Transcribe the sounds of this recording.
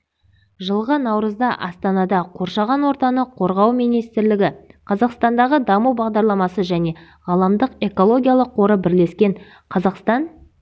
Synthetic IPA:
ʒəlˠʁənɑwɾəzd̪ɑʔɑst̪ɑnɑd̪ɑqʰo̞ɾʃɑʁɑnwo̞ɾt̪ɑnəqʰo̞ɾʁɑwmijnijst̪ɪɾlɪɡʲɪqʰɑzɑqst̪ɑnd̪ɑʁəd̪ɑmuwbɑʁd̪ɑɾlˠɑmɑsəʒæne̞ | ʁɑlˠɑmd̪əqe̞ko̞lˠo̞ɡʲijalˠəqʰːo̞ɾəbɪɾle̞skʲe̞ɴ | qʰɑzɑqst̪ɑn

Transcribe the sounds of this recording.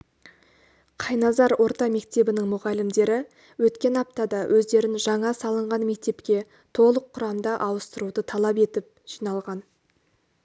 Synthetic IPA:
qʰɑjnɑzɑɾwʔo̞ɾt̪ɑme̞k̚t̪e̞bɪnɪŋmʊʁɑlɪmd̪e̞ɾɪ | wɵt̪kʲe̞nɑp̚t̪ɑd̪ɑwʔɵzd̪e̞ɾɪnʒɑɴɑsɑlˠəɴʁɑnme̞k̚t̪e̞pkʲe̞ | t̪ʰo̞lˠəqʰːʊɾɑmd̪ɑʔɑwəst̪əɾud̪ət̪ʰɑlˠɑp̬e̞t̪ɪp̚ | ʒ̥ijnɑlˠʁɑn

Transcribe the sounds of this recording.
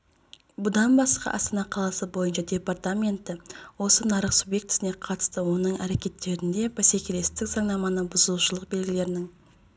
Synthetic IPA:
bʊd̪ɑnbɑsqɑ̰ʔɑ̰st̪ɑnɑqʰɑlˠɑsəbo̞jənʃɑd̪ʲe̞part̪amʲe̞nt̪ɪwo̞sənɑɾəqsubje̞k̚t̪ɪ̥sɪne̞qʰɑt̪ə̥st̪əwo̞nəɴæɾe̞kʲe̞t̪ːe̞ɾɪnd̪e̞bæsekʲele̞st̪ɪkzɑɴnɑmɑnəbʊzəlˠuʃəlˠəq̚be̞lɡʲɪle̞ɾɪnɪŋ

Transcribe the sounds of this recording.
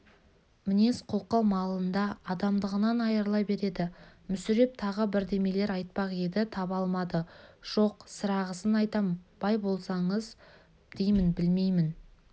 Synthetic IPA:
mɪnesqʰoqːɑwmɑlˠənd̪ɑːd̪ɑmd̪əʁənɑnɑjəɾlˠɑjbe̞ɾe̞d̪ɪmʏsɪɾe̞p̚t̪ʰɑʁəbɪɾd̪e̞me̞le̞ɾɑjt̪̚pɑqe̞d̪ɪt̪ʰɑbɑlˠmɑd̪əʒ̥o̞qsəɾɑʁəsənɑjt̪ɑmb̥ɑjbo̞lˠsɑɴəz | d̪̥e̞jmɪnbɪlme̞jmɪn

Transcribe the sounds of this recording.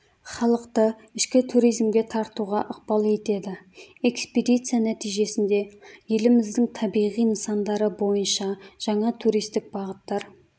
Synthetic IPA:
χɑlˠəqt̪ə | ɪʃkʲɪt̪ʰuɾijzmɡʲe̞t̪ʰɑɾt̪uʁɑʔəq̚bɑlˠe̞t̪e̞d̪ɪe̞ksped̪ijt̪sɨjanæt̪ijʒe̞sɪnd̪e̞je̞lɪmɪzd̪ɪŋt̪ʰɑbijʁijnsɑnd̪ɑɾəbo̞jənʃɑʒ̥ɑɴɑt̪ʰuɾijst̪ɪk̚bɑʁət̪ːɑɾ

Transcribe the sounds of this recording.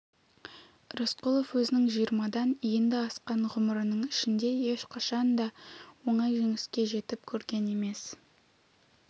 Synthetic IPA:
ɾosqulˠo̞fwɵzɪnɪŋʒijəɾmɑd̪ɑnijend̪ɪɑsqɑɴʁʊməɾənəɴɪʃɪnd̪e̞je̞ʃqʰɑʃɑnd̪ɑwo̞ɴɑjʒeŋɪskʲe̞ʒe̞t̪ɪp̚kʲʰɵɾɡʲe̞ne̞me̞s

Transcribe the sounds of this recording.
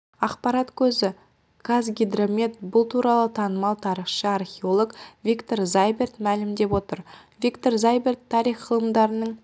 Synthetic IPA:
ɑqpɑɾɑt̪kʲʰɵzɪ | kʰazɡʲid̪romʲet̪̚bʊlˠt̪ʰuɾɑlˠət̪ʰɑnəmɑlˠt̪ʰɑɾiχʃəɑrχʲeo̞lˠokvʲikt̪o̞ɾzajbe̞rt̪mælɪmd̪e̞pwo̞t̪əɾvikt̪o̞ɾzajbe̞rt̪ʰːɑɾijχqʰəlˠəmd̪ɑɾənəɴ

